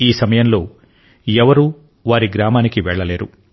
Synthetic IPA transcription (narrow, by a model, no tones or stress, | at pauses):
iːsɐmɐjɐnlo̞ː | ɛʋɐɾu | ʋaːɾiɡɾaːmaːnikiʋɛɭːɐle̞ːɾu